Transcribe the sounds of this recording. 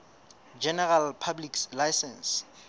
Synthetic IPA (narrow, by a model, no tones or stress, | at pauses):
d͡ʒɛnɛralpʰabliklajsɛ̃ns